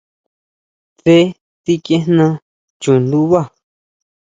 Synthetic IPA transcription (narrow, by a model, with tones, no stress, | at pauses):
t͡se˦ | ti˦kẽ˦nã˧ | t͡ʃu˨nd̪u˦βa˦˨